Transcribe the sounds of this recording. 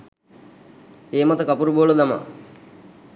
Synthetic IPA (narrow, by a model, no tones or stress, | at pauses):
eːmɐt̪ɐkɐpuɾuboːlud̪ɐma̰